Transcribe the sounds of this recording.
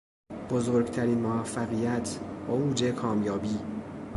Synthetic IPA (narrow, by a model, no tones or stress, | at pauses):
b̥ozoɾɡt̪ʰæɾiːnmovæfːæɣiːjæt̪ʰbɒːuːd͡ʒekʰɒːmjɒːbiː